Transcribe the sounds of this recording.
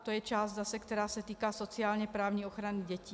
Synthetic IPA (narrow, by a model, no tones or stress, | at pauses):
t̪ojɛt͡ʃaːzd̪asɛkt̪ɛɾaːsɛt̪iːkaːsot͡siaːlɲɛpɾaːvɲiːoxɾaniɟɛciː